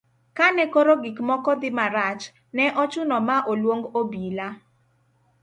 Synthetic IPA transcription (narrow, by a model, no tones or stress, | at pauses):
kanɛkoɾoɡikmɔkɔd̪ɪmaɾat͡ʃ | nɛʔɔt͡ʃʊnɔmaʔolwoŋɡobila